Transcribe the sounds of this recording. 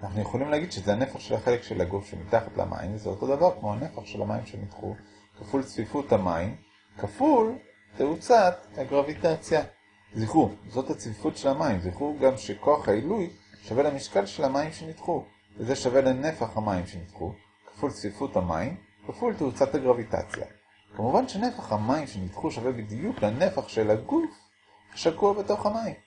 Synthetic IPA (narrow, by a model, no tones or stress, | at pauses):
anaχnujeχolimleːɡid̪ʃezeane̞faχʃelhaχe̞lekʃe̞laɡufʃemitaχat̪la̰mʔa̰ḭmvezeoto̞d̪avaʁkmo̞hane̞faχʃelha̰maimʃenitχṵ | kafult͡svifuthamaim | kaful | teut͡sat̪aɡʁavitat͡sja | ziχuzo̞that͡svifutʃelamaimziχuɡamʃeko̞aχhailuj | ʃavelamiʃkalʃe̞lhamaimʃe̞nitχu | veze̞ʃavelene̞faχhamaimʃe̞nitχṵ | kḁfult͡svifutama̰im | kafulteut͡sathaɡʁavita̰t͡sja̰ | kamuvanʃene̞faχhamaimʃenitχuʃavebid̪ijuklane̞faχʃe̞laɡuf | haʃakuabeto̞χhamaim